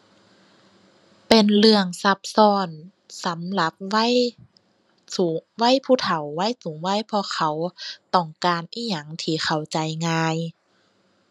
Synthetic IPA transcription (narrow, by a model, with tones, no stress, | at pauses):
pe˨nlɯ˧əŋsa˧˦p̚sɔː˧˩n | sa˨˦mla˧˦p̚wa˧˥˨j | su˨wa˧˥˨jpʰuː˧˩t̪ʰa˨˩wːa˧˥˨jsuː˨˦ŋwa˧˥˨jpʰɔː˧xʰa˧˦wt̪ɔ˧˩ŋkaː˨nʔiː˧˩ɲa˧˩ŋt̪ʰiː˧˩xʰa˨˩wt͡ɕa˨˩jŋaː˧j